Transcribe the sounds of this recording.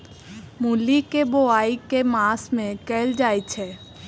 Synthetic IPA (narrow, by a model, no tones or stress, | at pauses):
mulikeboaːikemaːsmẽkɛːld͡ʒaːit͡ʃʰɛː